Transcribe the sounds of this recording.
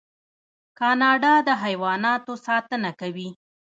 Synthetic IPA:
kɑnɑɖɑd̪əɦajwɑnɑt̪osɑt̪ənakawi

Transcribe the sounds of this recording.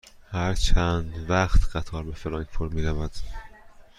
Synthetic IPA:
hæɾt͡ʃʰænd̪væχt̪ʰɢ̥æt̪ʰɒːɾbefelɒːnpʰoɾmiːɾævæd̪̥

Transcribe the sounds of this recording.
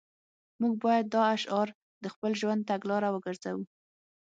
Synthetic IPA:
muɡ̚bɑjad̪̚ːɑaʃɑɾ | d̪əxpəlʒwand̪̚t̪aɡlɑɾawəɡəɾzawu

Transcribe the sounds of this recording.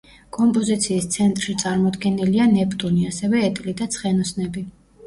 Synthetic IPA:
kʼɔmpʼɔzit̪sʰiːst̪sʰɛnt̪ʼɾʃit̪sʼaɾmɔd̪ɡɛnilianɛpʰʼt̪ʼuniasɛvɛːt̪ʼlid̪at̪sʰχɛnɔsnɛbi

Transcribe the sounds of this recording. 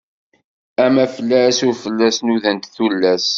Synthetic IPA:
æmæfəlːæsuɾfəlːæsnuðənt̪θulːæs

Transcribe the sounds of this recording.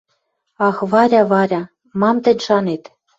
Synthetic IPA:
ɑxβɑɾʲɑβɑɾʲɑ | mɑmt̪ɘ̆nʲʃɑnet̪

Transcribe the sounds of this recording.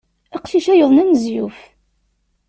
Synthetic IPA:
æqʃiʃæjoðˤnænzjuf

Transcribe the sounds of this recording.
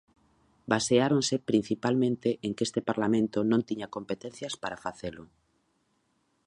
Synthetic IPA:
baseaɾonsɪpɾĩn̟θipalmẽnt̪eʔeŋkest̪epaɾlamẽnt̪ʊnõnt̪iɲakompet̪ẽn̟θjaspaɾafaθelʊ

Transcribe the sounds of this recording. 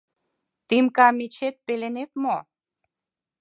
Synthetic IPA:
t̪imkɑmet͡ɕet̪̚pelenet̪mo

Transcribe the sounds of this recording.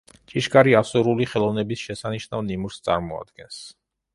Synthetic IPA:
t͡ʃʼiʃɡaɾiasuɾuliχɛlˠɔvnɛbisʃɛsaniʃnavnimuɾst̪sʼa̰ɾmɔa̰d̪̥ɡɛns

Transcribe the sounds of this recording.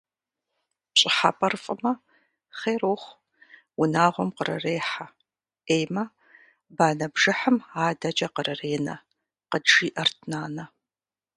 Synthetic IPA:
pɕʼɪħa̰pʼɐrfʼɨmɐ | χeːɾoːχʷ | wʊnaːʁʷɔmqərɐ̰reːħa | eːjmɐ | baːnɐbʒɨħəmaːdɐd͡ʒɐqərɨreːnɐ̰ | qəʒiːʔɐrtʰnaːnɐ

